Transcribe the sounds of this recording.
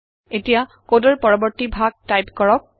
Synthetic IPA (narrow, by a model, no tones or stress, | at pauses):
etija | kodɔɹpɔɹɔbɔɹtibʱaɡ̚tajpkɔɹɔk̚